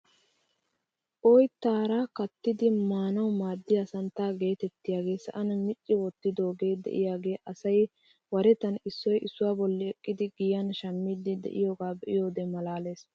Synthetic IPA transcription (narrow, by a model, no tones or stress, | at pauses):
ʔɔjt̪aːɾaːkɐt̪ːɪd̪ɪmaːnɐwmaːd̪ːɪjasɐnt̪aːɡe̞ːt̪ɛt̪ːɪjaːɡe̞ːsɐ̰ʔɐnɐmɪt͡ʃʼːɪwɔt̪ːɪd̪o̞ːɡe̞ːd̪ɛ̰ʔɪjaːɡe̞ːʔɐsɐj | wɐɾɛt̪ɐnɪsːɔjʔɪsːʊwaːbɔlːɪɛkʼːɪd̪ɪɡɪjɐnʃɐmːiːd̪ɪd̪ɛ̰ʔɪ̰jo̞ːɡaːbɛʔɪjo̞ːd̪ɛmɐlaːle̞ːs